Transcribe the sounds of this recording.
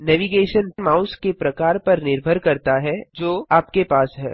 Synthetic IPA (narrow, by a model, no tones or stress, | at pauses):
nɛːʋiɡeːʃənmãːʊskepɾɐkaːɾpɐɾnɪɾbʱəɾkɐɾt̪aɦɛd͡ʒoːaːp̚kepaːsɦɛ̰ː